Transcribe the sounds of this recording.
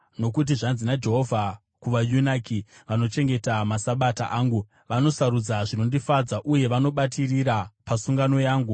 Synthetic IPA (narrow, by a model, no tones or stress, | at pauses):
no̞kut̬iʐanzinad͡ʒe̞ɦo̞vʱa | kuʋajunakiʋano̞t͡ʃe̞ŋɡe̞tamasaɓata̰ʔaːŋɡu | ʋano̞saɾud͡zaʐino̞ndifad͡zaʔuje̞ʋano̞ɓatʰiriɾapasuŋɡano̞jaːŋɡu